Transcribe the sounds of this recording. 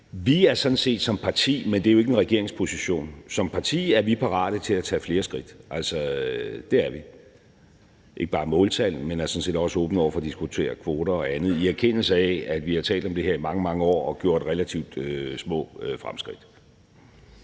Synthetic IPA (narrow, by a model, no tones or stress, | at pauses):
ʋiæɐsɒ̽n̩se̝̰ːd̥sɒ̽mpʰɑ̈t͡sʰḭːmend̥e̝æjoe̝ɡ̥enʁɛɡ̥e̝ɐ̰eŋspʰo̝siɕo̝̰ːnsɒ̽mpʰɑ̈t͡sʰḭːæɐʋipʰɑ̈ʁɑ̰̈ːɾ̥ət͡sʰe̝læt͡sʰɛ̰ːfle̝ːɐsɡ̥ʁid̥ʔæl̰sɒd̥e̝æɐʋi | ʔe̝ɡ̥əb̥ɑ̈ːmɔ̰̽ːlt͡sʰæl̰n̩menæɐsɒ̽n̩se̝̰ːd̥ɒ̽səɔ̽ːb̥n̩ɒ̰ʊ̰ɐfɒ̽ːd̥isɡ̥ut͡sʰe̝̰ːɐkʰʋo̝ːɾɐɒ̽ænð̞̩ˠiæɐkʰen̰l̩səɛæd̥ʋihɑ̈t͡sʰɛ̰ːld̥ɒ̽md̥e̝ɦeɐimɑ̈ŋəmɑ̈ŋəɒ̰ːɒ̽ɡ̥jo̝ɐ̰d̥ʁelæt͡sʰiʊ̰d̥øsmɔ̰̽ːøfʁamsɡ̥ʁid̥